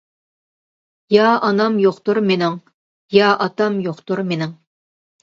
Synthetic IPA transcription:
jɑɑnɑmjoqt̪ʊɾmenɪŋ | jɑʔɑt̪ɑmjoqt̪ʊɾmenɪŋ

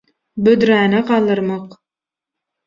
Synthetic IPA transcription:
bød̪ɾæːnɑqɑːlˠɯɾmɑq

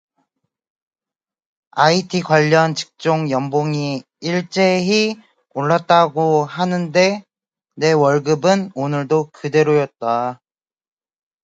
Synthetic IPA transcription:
aitʰikwaʎːʌnt͡ɕi̥k̚t͡ɕ͈oŋjʌmboŋi | iɭt͡ɕ͈eɦi | oɭːat̚t͈aɡoɦanɯnde̞ | ne̞wʌɭɡɯbɯnonɯɭdokɯde̞ɾojʌt̚t͈a

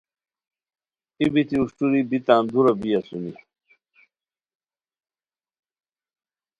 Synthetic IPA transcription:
ibit̪iuʂʈ͡ʂuɾibit̪aːnd̪uɾɐbijɐsuni

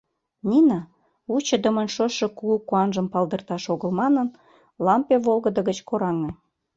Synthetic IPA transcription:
nʲinɑ | ut͡ɕə̆d̪ə̆mə̆nʃoʃɤ̆kuukuɑnʒəmpɑld̪ərt̪ɑʃoɣəlmɑnən | lɑmpeβolɣəd̪ə̆ɣət͡ɕkoɾɑŋe

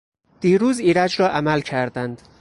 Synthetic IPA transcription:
d̪̥iːɾuːziːɾæd͡ʒɾɒːʔæmælcʰæɾd̪ænd̪̥

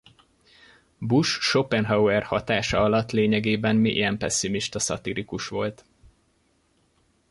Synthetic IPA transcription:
buʃːopɛnɦɒwɛrhɒt̪aːʃɒɒlɒt̪ːleːɲɛɡeːbɛnmiʔḭjɛmpɛsːimiʃt̪ɒsɒ̰t̪iɾikuʃʋo̞lt̪

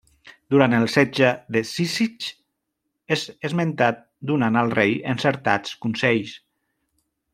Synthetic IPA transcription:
d̪uɾant̪əlˠsɛd͡ʒəðesisit͡ʃ | ezezmẽnt̪at̪̚ | d̪unanəlˠrejə̰nsəɾt̪at͡skunsɛʎs

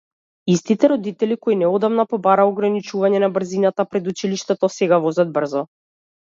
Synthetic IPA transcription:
ist̪it̪ɛɾɔd̪it̪ɛlikoinɛɔd̪amnapɔbaɾaɔɡɾanit͡ʃuvaɲɛnabr̩zinat̪apɾɛd̪ut͡ʃiliʃt̪ɛt̪ɔsɛɡavɔzad̪̚br̩zɔ

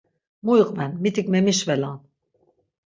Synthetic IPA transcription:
mujiqʼvɛnmit̪ʰikʼmɛmiʃvɛlan

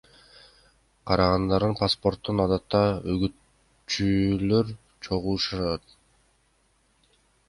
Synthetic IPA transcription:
qʰɑɾɑʁɑnd̪ɑɾd̪ɯnpaspo̞rt̪ːunɑd̪ɑt̪ːɑøɡyt̪ | t͡ʃyløɾ | t͡ʃʰo̞ʁuːʃɑɾɑt̪ɑt̪̚

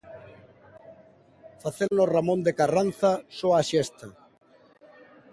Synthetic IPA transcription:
faθelnoramõnd̪ekaran̟θasoaʃest̪a

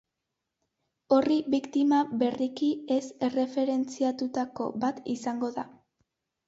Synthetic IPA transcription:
o̞riβikt̪imaβe̞rikie̞se̞re̞fe̞ɾe̞nt͡siat̪ut̪ako̞̰bat̪isaŋɡo̞ða

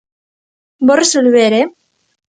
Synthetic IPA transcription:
boresolβeɾe

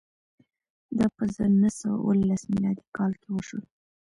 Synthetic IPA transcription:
d̪ɑpəzənəsəwa̰wə̰lasmilɑd̪ikɑlkewəʃəl

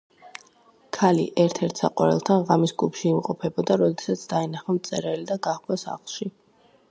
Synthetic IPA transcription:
kʰalḭʔɛɾt̪ʰɛɾt̪ʰsa̰qʼwa̰ɾɛ̰lˠt̪ʰanʁamisɡupʃiːmqʼɔpʰɛbɔd̪aɾɔd̪ɛsat̪sʰd̪ainaχamt̪sʼɛɾɛlid̪aɡaχkʰwasa̰χlˠʃi

